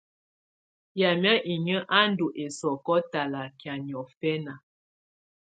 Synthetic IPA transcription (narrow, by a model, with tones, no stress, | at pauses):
ja˨mja˦ʔi˨ɲə˦ʔa˦n̩˦du˨ʔe˨sɔ˨kɔ˦ta˨la˨kja˨ɲ˨ɔ˨fɛ˦na˨